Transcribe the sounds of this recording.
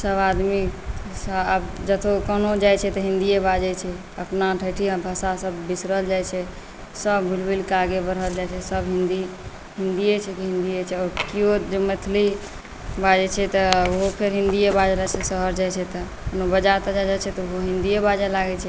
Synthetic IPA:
səbad̪misbd͡ʒət̪ʰokənod͡ʒajt͡ʃʰɛt̪ɔɦĩnd̪iebad͡ʒɛt͡ʃʰɛ | əpnaʈʰəʈʰiãbʱasasəbːisɾəld͡ʒajt͡ʃʰɛ | səbbulbilkaɡebəɾɦəld͡ʒajt͡ʃʰɛsəbɦĩnd̪i | ɦind̪ijet͡ʃʰɛkiɦĩnd̪ijet͡ʃʰɛɔɾkiod͡ʒemət̪ʰli | bad͡ʒɛt͡ʃʰɛt̪ɔoɦopʰeɾɦĩnd̪ijebad͡ʒlat͡ʃʰɛsəɦəɾd͡ʒajt͡ʃʰɛt̪ɔ | kənobəd͡ʒat̪ɔd͡ʒad͡ʒajt͡ʃʰɛt̪ɔɦoɦĩnd̪iebad͡ʒalaɡɛt͡ʃʰɛ

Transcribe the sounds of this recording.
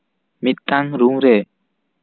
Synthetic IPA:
mit̪̚ːaŋɾuŋɾɛ

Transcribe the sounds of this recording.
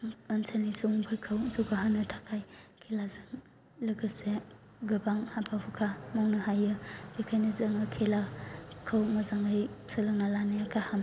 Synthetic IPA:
ənsʰanisuŋupʰajkʰawzoɡaɦanɯtʰakʰajkʰelazɯŋ | lɯɡɯse | ɡɯbaŋhabʰaɦukʰamawnɯɦajɯb̥ikʰajnɯzaŋɯkʰelakʰawmazaŋɯj | sɯlɯŋnalanɯjakʰaham

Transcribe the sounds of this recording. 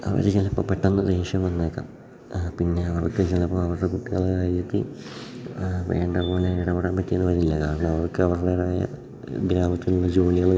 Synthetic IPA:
ɐ̰ʋɐ̰ɾt͡ɕilɐpːɐpːeʈːɐnːɨdeːʂjɐmʋɐnːeːkːa̰ːm | pinːe̞ɐʋɐrkːɨt͡ɕelɐpːɐmɐʋɐrtɐkuʈːiɣɐɭkaːjɾit̪ːḭ | ʋḛːɳɖɐpoːneiɽɐpːeɽaːmpɐtːijenːɨʋɐɾuilːɐkaːɾɐɳɐmɐʋɐrkɨɐʋɐrðeːɽaːjɐ̰ | ɡɾaːmɐt̪ːinuɭːɐd͡ʑoːliɣɐɭ

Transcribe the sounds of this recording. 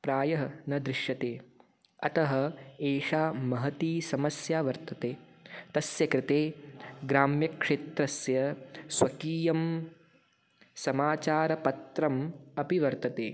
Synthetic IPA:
pɾaːjɐɦɐnɐd̪ɾɪʃjɐt̪eː | ɐt̪ɐɦɐ̆eːʃaːmɐɦɐt̪iːsɐmɐsjaːʋɐɾt̪ɐt̪eː | t̪ɐsjɐkɾɪt̪eːɡɾaːmjɐkʂeːt̪ɾɐsjɐswɐkiːjɐm | sɐmaːt͡ʃaːɾɐpɐt̪ɾɐmɐpiʋɐɾt̪ɐt̪eː

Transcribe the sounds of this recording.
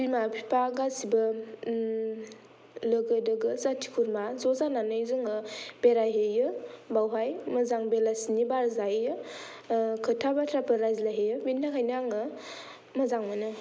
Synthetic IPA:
bilmapʰipʰaɡasibɐ | ləɡɯdɯɡɯzatʰi̥kʰuɾmazɔzananɯjzɯŋɯb̥eɾajɦejɯbawɦajmɐzaŋbelasinibaɾzajɯ | kʰɯtʰabatʰɾapʰaɾajzlajɦejɯbindakʰajnaŋɯ | mɐzaŋmɯnɯ

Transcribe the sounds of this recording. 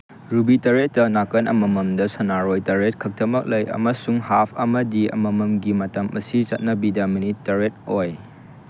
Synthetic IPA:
ɾubitɐɾetːɐnakɐnʔɐ̰mɐmɐmdɐsɐnaɾojtɐɾet̚kʰɐk̚tʰɐmɐk̚lɐjɐ̰mɐsuŋhapʰɐmɐdiɐ̰mɐmɐmɡimɐtɐmɐsit͡ʃɐt̚nɐbidɐmɐnitːɐɾet̚oj

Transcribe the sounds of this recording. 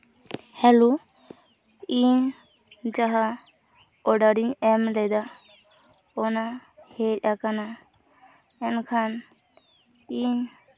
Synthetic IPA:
hɛlu | iɲ | d͡ʒaɦa | ɔɖaɾiɲɛmlɛjd̪a | ɔnahɛc̚akana | ɛnkʰan | iɲ

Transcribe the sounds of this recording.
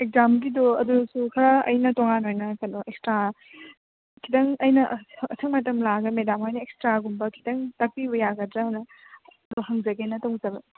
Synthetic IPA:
ek̚zamɡidoɐdusukʰɐɾɐɐ̰jnɐtoŋanojnɐkɐnoʔek̚stɾa | kʰidɐŋɐjnɐɐtʰɐŋmɐtɐmlaɡɐmedamajnɐekstɾaɡumbɐkʰi̥dɐŋtɐk̚pibɐjaɡɐdɾɐɦnɐː | doɦɐŋzɐɡenɐtɐwŋzɐbɐ

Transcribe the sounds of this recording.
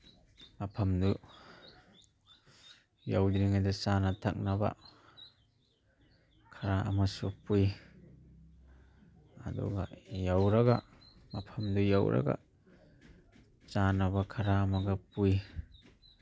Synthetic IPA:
mapʰamdu | jawdɾiŋadat͡ʃanatʰa̰k̚naba̰ | kʰaɾaʔa̰masupuj | a̰dṵɡa̰jawɾaɡa̰ | mapʰɐmdujawɾʔa̰ɡa̰ | t͡ʃanabakʰaɾaːmaɡapuj

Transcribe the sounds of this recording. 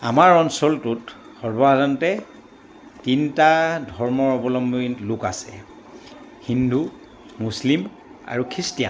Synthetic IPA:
amaɹɔnsɔltut | xɔɹbɔazɔntɛ | tintadʱɔɹmɔɹɔbɔlɔmbinlukasɛ | hindʱu | muslim | a̰ɹukʰɹistija̰n

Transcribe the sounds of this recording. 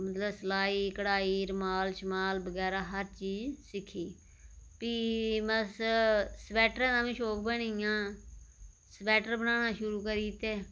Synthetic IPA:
mət̪ləbsəlaːiːkəɽaːiːɾəmaːlʃəmaːlbəɡɛːɾaːɦəɾt͡ʃiːzsɪkʰːiː | piːməssəpɛːʈəɾãːd̪ãːʋĩːʃoːkbəɳijãː | səpɛːʈəɾbənaːnaːʃʊɾuːkəɾiːt̪eː

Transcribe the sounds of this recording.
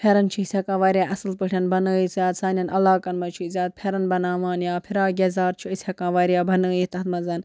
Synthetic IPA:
pʰeːɾɐnt͡ʃʰiisʲɐkaːʋaːɾʲjaːʔɐsɨlpəʈʰʲɐnbɐnəːisjaːd̪saːnɐnɐlaːkɐnmɐt͡ʃʰuzʲaːt̪̚pʰeːɾɐnbɐnaːʋaːnjaːpʰiɾaːɡʲeːzaːɾt͡ʃʰuisʲhɐkãːʋaːɾijaːbʱɐnəːjit̪ɐɦɐt̪mɐzɐn

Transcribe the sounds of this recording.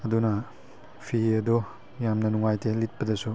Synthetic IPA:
ɐdunɐ | pʰiɐdo | jamnɐnuŋajtʰelit̚pɐdɐsu

